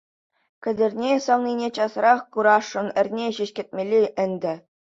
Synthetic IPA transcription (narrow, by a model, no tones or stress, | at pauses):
kʲɘ̆dʲɘ̆rʲnʲesɑlnʲinʲet͡ɕɑsrɑχkuɾɑʂːɤ̆nɘ̆rʲnʲeɕɘ̆ɕkʲɘ̆t̚ʲmʲelʲːiʔɘ̆nʲd̪ʲɘ̆